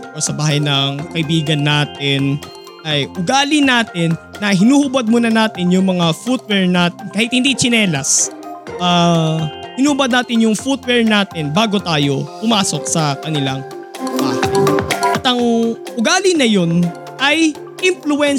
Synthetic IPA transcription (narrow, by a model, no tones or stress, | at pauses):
ʔosɐbaːhɐjnɐŋkɐʔɪbiːɡɐnːaːt̪ɪn | ʔɐjʔʊɡaːlɪnaːt̪ɪnːɐɦɪnuːhʊbɐd̪̚muːnɐnaːt̪ɪnjʊŋmɐŋafut̪̚wɛɹnaːt̪ɪnkaːhɪt̪̚hɪnd̪it͡ʃɪnɛːlɐsʔa | hɪnuːhʊbɐd̪̚naːt̪ɪnjʊŋfut̪̚wɛɹnaːt̪ɪnbaːɡo̞t̪aːjo̞pʊmaːso̞k̚sɐkɐnɪlaŋ | ba̰ːhɐjjʔɐt̪ɐŋʔʊɡaːlɪnɐjo̞n | ʔɐj | ʔɪmflʊɛn